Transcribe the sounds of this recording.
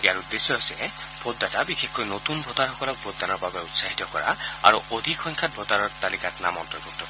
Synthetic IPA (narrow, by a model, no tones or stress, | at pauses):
iaɹud̪esɔasilɛ | bʱod̪ːatabixʰekkɔjnot̪unbʱot̪aɹhɔkɔlɔk̚bʱod̪ːanɔɹbabeutsaɦit̪ɔkɔ̰ɹa̰a̰ɹuʔod̪ʱikxɔjŋkʰat̚bʱot̪aɹɔɹt̪alikatna̰mɔntɹɔbutʰːɔ